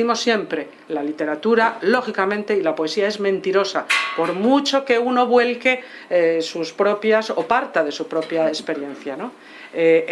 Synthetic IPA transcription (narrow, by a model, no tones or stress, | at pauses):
imo̞sːje̞mpɾe̞ | lalit̪e̞ɾat̪uɾalo̞xikamẽ̞nt̪e̞ilapoesiae̞zmẽ̞nt̪iɾo̞sapo̞ɾmut͡ʃo̞ke̞uno̞βwe̞lke̞ | suspɾo̞pjasopaɾt̪aðe̞supɾo̞pjaespe̞ɾje̞n̟θjano̞ | e